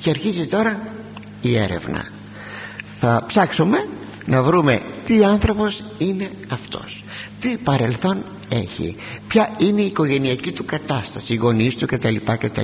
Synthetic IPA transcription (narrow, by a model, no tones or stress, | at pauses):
ceɐɾçizit̪o̞ɾɐ | ie̞̰ɾe̞̰vnɐ̰ | θɐpsɐksume̞ | nɐvɾume̞t̪iɐnθɾo̞po̞s | ine̞ | ɐft̪o̞̰s | t̪ipɐɾe̞lθo̞n | e̞̰çḭ | pçɐineiːko̞ʝe̞niɐcit̪ukɐt̪ɐst̪ɐsiɣo̞nist̪uce̞t̪ɐlipɐcet̪ɐ̰